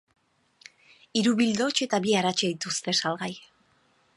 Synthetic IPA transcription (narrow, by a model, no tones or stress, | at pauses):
iɾuβild̪o̞t͡ʃe̞t̪aβiaɾat͡ʃeit̪ust̪e̞salɣaj